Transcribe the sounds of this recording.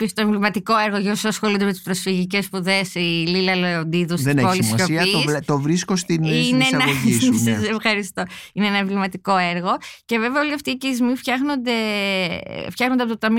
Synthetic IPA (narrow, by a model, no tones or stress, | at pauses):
pist̪oeɱvlimɐt̪iko̞eɾɣoʝeosɐsxolund̪eme̞t̪i̥spɾo̞sfiʝice̞spuðe̞sililɐloond̪iðust̪enpolissost̪ovɾiskost̪inneɐoisɐsefxɐɾist̪o̞ineenɐeɱvlimɐt̪iko̞eɾɣo̞ce̞ve̞veɐo̞liɐft̪iːcezmifçɐxno̞nd̪e̞̰ | ftçɐxnond̪eɐp̬ot̪ot̪ɐmi